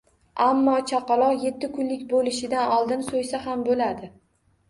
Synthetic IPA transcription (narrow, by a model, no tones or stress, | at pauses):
amːɒt͡ʃʰaqɑlˠɒqje̞t̪ʰːɪkʰʊnlɪkʲbolɪʃɪd̪anɒlˠd̪ɪnsojsahambolad̪ɪ